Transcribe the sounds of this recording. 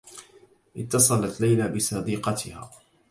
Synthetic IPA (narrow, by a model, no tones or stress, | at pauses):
ʔɪt̪ːɑsˤɑlat̪lajlaːbɪsˤɑd̪iːqɑt̪ɪha̰ː